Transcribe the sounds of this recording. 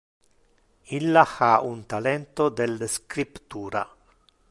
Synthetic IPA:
ilːaxaunt̪alɛnt̪od̪elːskɾipt̪uːɾa̰

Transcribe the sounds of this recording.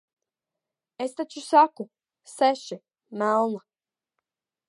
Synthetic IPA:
est̪at͡ɕusaku | seʃi | maːlna

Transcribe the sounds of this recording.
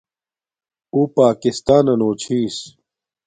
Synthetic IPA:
uːpaːkist̪aːnɐnoːt͡ɕʰiːs

